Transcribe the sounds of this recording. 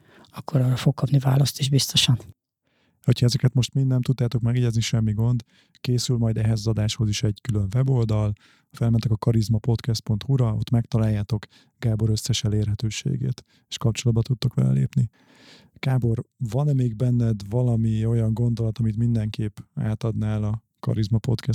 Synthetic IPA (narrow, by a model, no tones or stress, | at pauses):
ɒkːo̞ɾɒːrɒfok̚kːɒpnivaːlɒst̪eʒbist̪o̞ʃɒn | ho̞chɒɛzɛkɛt̪mo̞ʃt̪mind̪nɛmt̪ut̪ːaːt̪o̞kmɛɡɛɟɛzniʃɛmːiɡo̞nd̪ | keːsylmɒjd̪ɛɦɛzɒzɒd̪aːʃho̞ziʃɛɟkyløɱvɛbo̞ld̪ɒl | hɒfɛlmɛnt̪ɛkɒkɒɾizmɒpo̞t̪kɛst̪̚po̞nt̪huɾɒo̞̰t̪ːmɛkt̪ɒlaːjːaːt̪o̞k | ɡ̥aːbo̞ɾøsːɛʃɛleːrɦɛt̪øːʃḛːɡḛːt̪ | e̥ːʃkɒp̚t͡ʃo̞lɒd̪bɒt̪ut̪ːokʋɛ̰lɛ̰lḛːpni | ɡ̥aːbo̞rvɒnɛmeːɡ̚bɛnːɛd̪vɒlɒmio̞jɒŋɡo̞nd̪o̞lɒt̪ɒmit̪mind̪ɛŋkʰeːpa̰ːt̪ɒd̪naːlɒ | kɒ̰ɾizmɒpo̞̰t̪kɛs